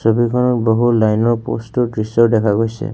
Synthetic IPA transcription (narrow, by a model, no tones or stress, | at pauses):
sɔbikʰɔnɔk̚bɔɦulajnɔpo̰stɔʈɹisɔdɛkʰaɡojsḛ